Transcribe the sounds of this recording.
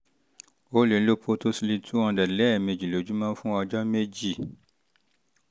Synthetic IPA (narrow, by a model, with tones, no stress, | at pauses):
o˦le˨˦lo˦pʰo˧to˦si˧li˧tʰu˦ɔ̃˧dɛ˨lɛ˦˨mẽ˨d͡ʒi˨lo˨˦d͡ʒu˦mã˦fũ˦ɔ˧d͡ʒɔ˦me˦d͡ʒi˦˨